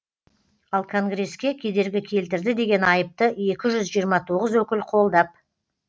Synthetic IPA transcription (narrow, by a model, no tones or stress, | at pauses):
ɑlˠkʰo̞ŋɡre̞skʲe̞kʲʰe̞d̪e̞ɾɡʲɪkʲʰe̞lt̪ɪɾd̪ɪd̪e̞ɡʲe̞nɑjəp̚t̪əe̞kʲɪʒʏzʒijəɾmɑt̪ʰo̞ʁəzwɵkʲɪlqʰo̞lˠd̪ɑp̚